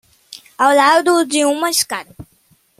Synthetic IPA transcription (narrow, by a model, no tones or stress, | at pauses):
awlad̪ʊd͡ʒɪũmɐɪʃkaɾɐ